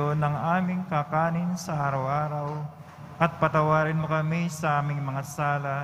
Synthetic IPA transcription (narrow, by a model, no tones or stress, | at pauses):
onɐŋʔaːmɪŋkakaːnɪnsɐʔaːɾɐwʔaːɾɐw | ʔɐt̪̚pɐt̪ɐwaːɾɪnmokɐmisɐʔaːmɪŋmɐŋasaːlɐ